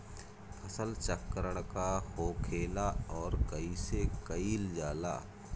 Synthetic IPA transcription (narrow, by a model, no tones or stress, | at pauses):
pʰɐsəlt͡ʃəkːəɾəɽ̃kahoːkʰeːlaɔːɾkəisekəiːld͡ʒaːla̰ː